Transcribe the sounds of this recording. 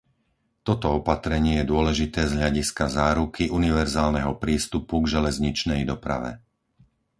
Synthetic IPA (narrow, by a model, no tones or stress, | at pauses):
t̪ɔt̪ɔɔpat̪ɾɛɲɪɛjɛd̪ʊɔlɛʒit̪ɛːzɦʎaɟiskazaːɾukʰiʔuniʋɛɾzaːlnɛɦɔpɾiːst̪upuɡʒɛlɛzɲit͡ʃnɛjd̪ɔpɾa̰ʋɛ̰